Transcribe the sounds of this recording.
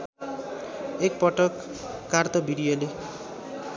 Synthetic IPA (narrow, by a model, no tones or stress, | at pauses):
ek̚pʌʈʌkːart̪ʌbiɾijole